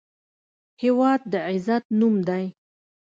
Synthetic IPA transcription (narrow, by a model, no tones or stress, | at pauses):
hɪwɑd̪̚ːəʕɪzat̪̚numd̪aj